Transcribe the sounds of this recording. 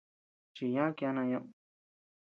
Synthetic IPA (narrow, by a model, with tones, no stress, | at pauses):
t͡ʃi˧˨ɲã˦ki˧a˧nã˧ɲã˧ʔ